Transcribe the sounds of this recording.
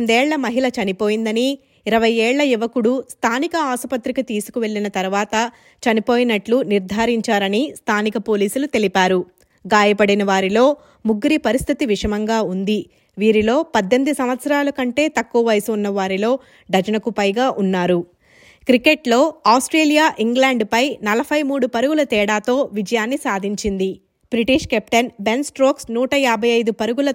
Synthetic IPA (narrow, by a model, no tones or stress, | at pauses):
nd̪ɛːɭːɐmɐɦilɐt͡ʃɐnipo̞ːjind̪ɐni | iɾɐʋɐjɛːɭːɐiʋɐkuɽust̪ʰaːnikɐaːsɐpɐt̪ɾikɐt̪iːsu̥kuʋe̞ɭːinɐt̪ɐɾuʋaːt̪ɐ | t͡ʃɐnipo̞ːjinɐʈluniɾd̪ʱaːɾiɲt͡ʃaːɾɐnist̪ʰaːnikɐpo̞ːliːsulut̪e̞lipaːɾu | ɡaːjɐpɐɽinɐʋaːɾilo̞ː | muɡuɾipɐɾist̪ʰit̪iʋiʂɐmɐŋɡaːund̪i | ʋiːɾilo̞ːpɐd̪ːend̪usɐmʋɐt̪sɐɾaːlɐkɐɳʈe̞ːt̪ɐkːuɐʋɐjɐsunːɐʋaːɾilo̞ː | ɖɐd͡ʒɐnɐkupɐjɡaːʔunːaːɾu | kɾikeʈlo̞ːaːwsʈɾeːlijaːʔiŋɡlaːɳɖpɐjnɐlɐbʰʱɐjmuːɽupɐɾuɡulɐt̪ɛːɽaːt̪o̞ːʋid͡ʒɐjaːnːisaːd̪ʱiɲt͡ʃind̪i | bɾiʈiːʂkɛp̚ʈɐnbe̞nsʈɾoːksnuːʈɐjaːbʱɐjɐjd̪upɐɾuɡulɐ